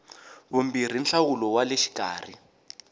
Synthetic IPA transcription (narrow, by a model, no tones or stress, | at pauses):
βumbir̤inɬawulɔwaleʃi̥ka̰ːr̤i